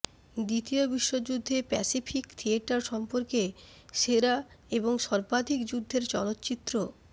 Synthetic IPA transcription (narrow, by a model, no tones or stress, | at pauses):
d̪it̪iobiʃːod͡ʑud̪ʱːepɛ̰sifʰikt̪ʰieʈaɾʃɔmpoɾke | ʃeɾaeboŋʃɔɾbad̪ʱikd͡ʑud̪ʱːeɾt͡ɕɔ̰lot̪ːt͡ɕit̪ːɾo